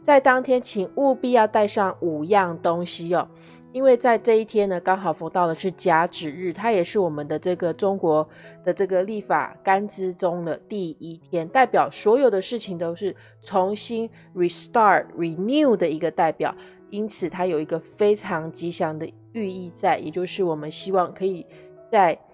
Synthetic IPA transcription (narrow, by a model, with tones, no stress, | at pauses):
t͡sa˥˩ɪt̪ɑ˥ŋt̪ʰjɛ˥nt͡ɕʰi˨˩ŋu˥˧pi˥˧jɑ˥˧ʊt̪a˥˧ɪʂɑ˥˩ŋu˨˩jɑ˥˩ŋt̪o˥ŋɕi˥ɔ˨˩ | i˥nwe˥˧ɪt͡sa˥˧ɪʈ͡ʂɤ˥˧i˥˩t̪ʰjɛ˥nːə˨kɑ˥ŋxɑ˨˩ʊfo˧˥ŋt̪ɑ˥˩ʊd̪ə˩ʂɻ̩˥˩t͡ɕja˥ʈ͡ʂɻ̩˨˩ɻɻ̩˥˩t̪ʰa˥jɛ˨˩ʂɻ̩˥˩wɔ˨˩mə˦nd̪ə˦ʈ͡ʂɤ˥˩ɡə˩ʈ͡ʂʊ˥ŋkwɔ˧˥˦ | d̪̥ə˨ʈ͡ʂɤ˥˩ɡə˩li˥˩fa̰˨˩ka˥nt͡sɹ̩˥ʈ͡ʂʊ˥ŋd̪ə˨t̪i˥˩i˦t̪ʰjɛ˥nt̪a˥˩ɪpjɑ˨˩ʊswɔ˧˥jo˨˩ʊd̪ə˦ʂɻ̩˥˩t͡ɕʰi˨˩ŋt̪o˥ʊʂɻ̩˥˩ | t͡sʰo˧˥ŋɕi˥n | ɹi˨˩st̪ɑ˥˧˩tɹi˨˩nju˥˧d̪ə˩i˧˥ɡə˧t̪a˥˩ɪpjɑ̰˨˩˦ʊ | i˥nt͡sʰɹ̩˨˩t̪ʰa˥jo˨˩ʊi˧˥ɡə˧fe˥ɪʈ͡ʂʰɑ˧˥ŋt͡ɕi˧˥ɕjɑ˧˥ŋd̪ə˧ | y˥˧i˥˧t͡sa˥˩ɪjɛ˨˩t͡ɕjo˥˧ʊʂɻ̩˥˩wɔ˨˩mə˦nɕi˥wɑ˥˩ŋkʰɤ˧˥i˨˩ | t͡sa˥˩ɪ